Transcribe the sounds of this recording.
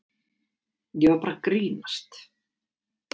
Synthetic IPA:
jɛvaɾpaːɾakɾiːnast̪

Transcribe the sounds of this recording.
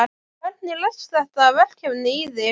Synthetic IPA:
a | ɛt̪nɪlœθsθɛht̪aːvɛl̥cɛvnɪːjðɪ

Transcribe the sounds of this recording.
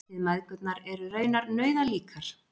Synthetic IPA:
ɪðmajðkœt̪̚naɾɛɾʏɾœːɥnaɾnœːɥðaliːkʰaɾ̥

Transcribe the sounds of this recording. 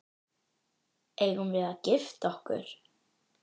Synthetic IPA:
eːjɣumvɪːðacɪft̪ɔhkʏ̰ɾ̥

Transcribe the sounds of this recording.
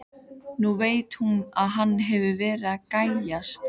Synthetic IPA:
nuveːjt̪hunaðɦanːɦɛvʏvɛːɾakaːjjast̪

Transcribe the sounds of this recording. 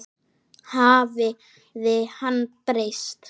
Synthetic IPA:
haːvɪ | ðɪhanːpɾejst̪

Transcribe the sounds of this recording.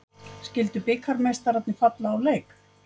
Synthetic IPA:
scɪlt̪ʏpɪkʰːaɾmejst̪aɾat̪nɪfat̪laːwleːjk

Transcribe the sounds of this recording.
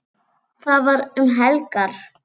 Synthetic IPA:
θaðvaɾʏmɦɛlkaɾ̥

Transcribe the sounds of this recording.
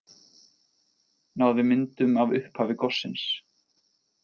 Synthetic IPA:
naːwðɪmɪnt̪ʏmavʏhphaːvɪkɔsːɪns

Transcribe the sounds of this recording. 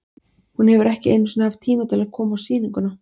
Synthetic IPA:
hunhɛvʏɾɛhcɪḛjnːʏsnahaft̪ʰiːmat̪ʰɪlaðkʰɔːmaːwsiːniŋkʏna

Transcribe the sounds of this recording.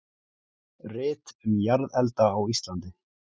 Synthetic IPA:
rɪːt̪ʏmjaɾðɛlt̪aːwist̪lant̪ɪ

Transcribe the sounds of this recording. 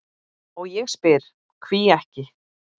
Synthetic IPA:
ɔɣjɛɣspɪɾ̥ | kʰv̥iɛhcɪ

